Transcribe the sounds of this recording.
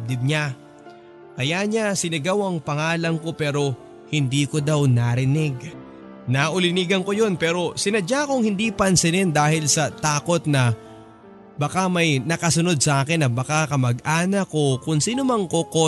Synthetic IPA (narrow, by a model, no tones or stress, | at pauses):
d̪ɪb̚ɲa | kɐjaɲasɪnɪɡawɐŋpɐŋaːlɐŋko̞pɛːɾo̞ | hɪnd̪iːkod̪awnaɾɪnɪɡ̚ | nɐʔʊlɪniɡɐŋko̞jo̞npɛːɾo̞sɪnɐd͡ʒakoŋhɪnd̪ipɐnsɪnɛnd̪aːhɪlsɐt̪aːko̞t̪̚nɐ | bɐkamɐjnɐkɐsʊno̞d̪̚sɐʔaːkɪnːɐbɐkakɐmɐɡʔaːnɐko̞kʊŋsiːnomɐŋko̞ko